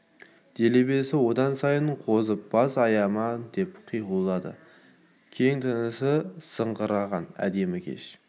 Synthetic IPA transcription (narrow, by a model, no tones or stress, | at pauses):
d̪̥e̞le̞be̞sɪwo̞d̪ɑnsɑjəɴqʰo̞zəp̚b̥ɑzɑjɑmɑd̪e̞pqʰijʁəlˠːɑd̪ə̰ | kʲʰe̞ŋt̪ʰənəsəsəɴʁəɾɑʁɑnæ̰d̪e̞mɪkʲʰḛʃ